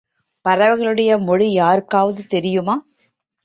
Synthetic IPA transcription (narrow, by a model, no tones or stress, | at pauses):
pɐɾɐʋɐɣɐɭɯɽɐjɐmɔɻijaːɾɯkːaːʋɐðɯt̪ɛɾɪjɯmaː